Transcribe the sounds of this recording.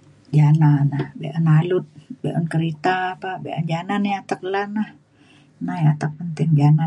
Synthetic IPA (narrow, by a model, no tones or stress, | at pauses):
d͡ʒananahbḛʔənalʊt̪̚beʔənkəɾit̪aːpabeʔa̰nd͡ʒananiat̪ak̚lanah | nahjat̪ak̚pənt̪ɪŋd͡ʒana